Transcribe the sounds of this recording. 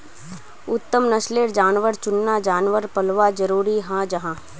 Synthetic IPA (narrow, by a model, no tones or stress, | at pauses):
ʊt̪ːəmnəʃleːɾd͡ʒaːnʋəɾt͡ʃʊnːad͡ʒaːnʋəɾpɐlʋad͡ʒəɾuːɾiɦãːd͡ʒɐɦãː